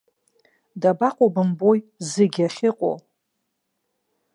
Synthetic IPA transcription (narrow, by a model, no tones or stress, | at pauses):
dabaqʷʼobɨmbojzɨɡʲaχʲɪqʼo̰